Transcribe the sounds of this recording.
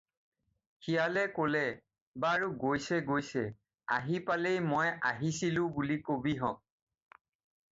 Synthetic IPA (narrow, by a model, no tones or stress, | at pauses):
hijalɛkolɛ | baːɹuɡojsɛɡojsɛ | a̰ɦipalejmojaɦisilʊ̃bulikobiɦɔk̚